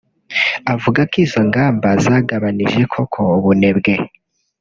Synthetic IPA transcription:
avuɡakiːzo̞ŋɡaːmbazaːɡaβaniʒe̞kʰo̞kʰo̞βune̞bɡe̞

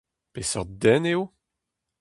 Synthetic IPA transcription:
pesœʁd̪ɛneo

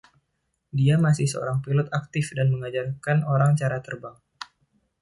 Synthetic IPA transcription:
diamasɪhsəo̰ɾaŋpilʊt̪ak̚t̪ɪfdanməŋad͡ʒarkanoɾaŋt͡ʃaɾat̪ərbaŋ

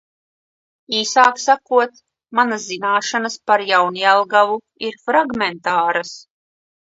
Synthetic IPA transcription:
iːsaːksakuɔt̪ | manazzinaːʃanaspaɾjawnialˠɡavu | iɾfɾaɡmɛnt̪aːɾas

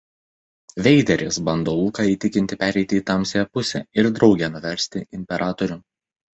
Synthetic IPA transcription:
ʋʲɛɪd̪ʲɛɾʲɪsbɐnd̪oːlˠukɑiːt̪ʲɪkʲɪnʲt̪ʲɪpʲæːɾʲɛɪt̪ʲɪiːt̪ɑmʲsʲejɛpʊsʲɛ̰ːɪɾd̪ɾɒʊɡʲɛːnʊʋʲɛɾʲsʲt̪ʲɪɪmʲpʲɛɾʔɑːt̪ɔɾʲʊ

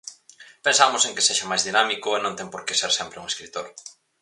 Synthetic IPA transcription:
pensamʊseŋkeseʃɐmajzðinamikʊenõnt̪ɛŋpoɾkeseɾsɛmpɾɪuŋeskɾit̪oɾ

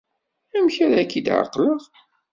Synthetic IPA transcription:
æmçæɾækːid̪ʕə̰qːləʁ

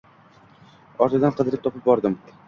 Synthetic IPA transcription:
ɒɾt̪ʰɪd̪anqʰɨd̪ɪɾɪp̚t̪ʰɒpɪp̚bɒɾd̪ɪm

